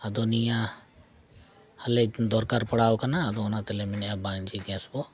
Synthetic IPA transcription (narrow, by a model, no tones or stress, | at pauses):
ɐd̪onijã | hɐled̪ɔɾkaɾpɐɽaːokanaɐd̪onat̪elemɪnjabãːŋd͡ʒiɡɛ̃sbo